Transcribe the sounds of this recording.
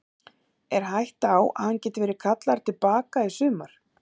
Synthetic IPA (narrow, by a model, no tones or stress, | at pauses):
ɛɾ̥ɦajht̪awa̰ðhancɛːt̪ɪvɛːɾɪkʰat̪laɾ̥t̪ʰɪlpaːkaisʏːmaɾ̥